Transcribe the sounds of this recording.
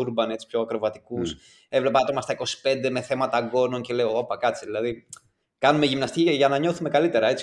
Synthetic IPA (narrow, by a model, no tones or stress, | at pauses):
uɾbɐne̞t͡si̥pço̞ɐkɾo̞vɐt̪i̥kus | e̞vle̞pɐt̪o̞mɐst̪ɐiko̞si̥pe̞nd̪e̞me̞θe̞mɐt̪ɐɡo̞no̞nce̞le̞oopɐkɐt͡siðilɐði | kɐnume̞ʝimnɐst̪iciʝɐnɐɲo̞θume̞kɐlit̪e̞ɾɐe̞t͡si̥